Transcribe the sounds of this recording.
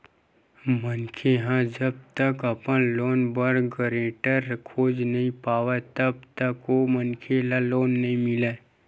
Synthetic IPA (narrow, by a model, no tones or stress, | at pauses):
mənkʰeɦãd͡ʒɐb̚t̪əkɐpənloːnbəɾɡəɾẽːʈəɾkʰoːd͡ʒnɐɦĩpaːwet̪ɐb̚t̪əkomənkʰelaloːnːɐɦĩmɪleː